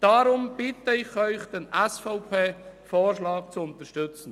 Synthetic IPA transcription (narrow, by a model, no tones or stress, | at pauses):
d̥aɾʊmb̥ɪtəɪχœʏχd̥ɛnʔɛsfaʊpʰeːfoːɾʃlɑːkt͡sʊʊnt̪əʃtʏt͡sn̩